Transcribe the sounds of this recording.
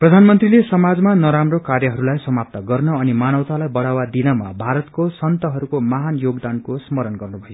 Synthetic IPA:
prʌd̪ʱanmʌnt̪rilesʌmad͡zmanʌɾamrokarjʌɦʌɾulajsʌmap̚t̪ʌɡʌrnʌʌnimanʌwt̪alajbʌɽawad̪inʌmabʱaɾʌt̪kosʌnt̪ʌɦʌɾukomaɦanjoɡd̪ankosmʌɾʌnɡʌrnubʱʌjo

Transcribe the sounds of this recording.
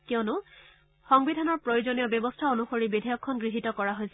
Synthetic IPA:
kiɔnʊ | xɔŋbidʱanɔɹpɹojozonijɔbjɔbɔstʰaonuxoɹibidʱijɔkʰːɔnɡɹiɦitɔkɔɹaɦojsɛ

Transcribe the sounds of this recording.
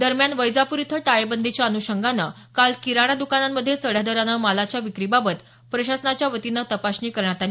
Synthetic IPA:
d̪əɾmjanʋəjd͡zapuɾit̪ʰəʈajebənd̪ʱit͡ɕjaənuɕəŋɡanə | kalkiɾaɽ̃ad̪ukanamːəd̪ʱːjesəɽ̤jad̪əɾanəmalat͡ɕjaʋikɾibabət̪ | pɾəɕasnat͡ɕjaʋət̪inət̪əpaɕniːkəɾɳ̃at̪ali

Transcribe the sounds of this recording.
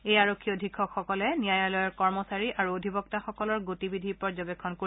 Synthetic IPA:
ejaɹokʰːiodʱikʰːɔkxɔkɔlɛnijajalɔjɔɹkɔɹmɔsaɹiʔaɹuodʱibɔk̚taxɔkɔlɔɹɡotibidʱipɔɹzɔbekʰːɔnko

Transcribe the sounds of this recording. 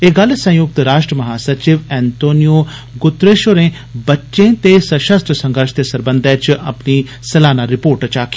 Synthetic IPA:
eɡəlsə̃jʊk̚t̪ɾaːʃʈɾəməɦaːsəɾt͡ʃɪʋɛːnt̪oːnijoː | ɡʊt̪ːɾeːʃoɾẽː | bətːʃẽːt̪esəʃəst̪ɾəsə̃ŋɡəɾʃt̪eːsəɾbənd̪ɛːt͡ʃʔəpniː | səlaːnaːɾɪpoːɾʈt͡ʃaːki̥

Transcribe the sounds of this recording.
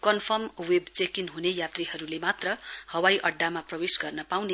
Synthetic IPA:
kʌnpʰʌmwebt͡sekinɦunejat̪riɦʌɾulemat̪rʌhʌwajʔʌɖːamaprʌwesɡʌrnʌpawne

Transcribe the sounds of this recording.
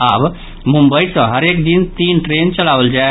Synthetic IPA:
ab | mumbəisə̃ɦəɾekd̪int̪iːnʈɾent͡ʃəlaʋəld͡ʒae

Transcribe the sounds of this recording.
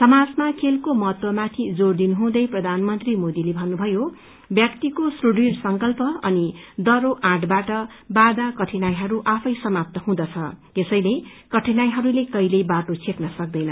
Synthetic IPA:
sʌmad͡zmakʰelkomʌɦʌt̪wʌmat̪ʰid͡zord̪inɦũd̪ʌjprʌd̪ʱanmʌnt̪rimod̪ilebʱʌnːubʱʌjo | bjʌkt̪ikosruɖirsʌŋkʌlpʌʌnid̪ʌɾoʔãʈbaʈʌ | bad̪akʌʈʰinajɦʌɾuʔapʰʌjsʌmap̚t̪ʌɦũd̪ʌt͡sʰʌ̰ | esʌjlekʌʈʰinajɦʌɾulekʌjlebaʈot͡sʰeknʌsʌk̚d̪ʌjnʌ

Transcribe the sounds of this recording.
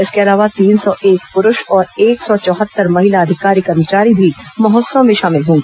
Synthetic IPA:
ɪskeɐlaːʋat̪iːnsɔʔeːkpʊɾʊʃɔːɾeːksɔt͡ʃɔːɦət̪ːəɾmɐɦɪlaɐd̪ʱɪkaːɾikɐɾmət͡ʃaːɾibʱimɐɦɔːt̪sə̃mẽʃaːmɪlɦõːɡiː

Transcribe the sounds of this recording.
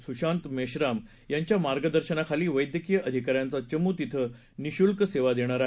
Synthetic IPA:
suɕant̪meɕɾam | jaɲt͡ɕjamaɾɡəd̪əɾɕənakʰaliːʋəjd̪jəkijəʔəd̪ʱikaɾjãnt͡sat͡ɕəmuːt̪it̪ʰə | niɕulkseʋad̪eɽ̃aɾa

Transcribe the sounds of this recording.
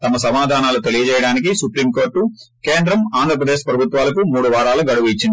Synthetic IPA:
t̪ɐmɐsɐmaːd̪ʱaːnaːlut̪e̞lijɐt͡ʃɛːjɐɽaːnik̬isupɾiːmko̞ːɾʈːu | keːnd̪ɾɐmaːnd̪ɾɐpɾɐd̪eːʂpɾɐbʱut̪ʋaːlɐkumuːɽuʋaːɾaːluɡɐɽuʋuit͡ʃːind̪i

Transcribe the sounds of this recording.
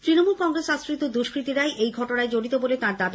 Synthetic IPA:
t̪ɾinomulkɔŋɾesasɾit̪od̪uʃkɾit̪iɾaeʔejɡʱɔʈonaed͡ʑoɽit̪obolet̪ãɾd̪ab

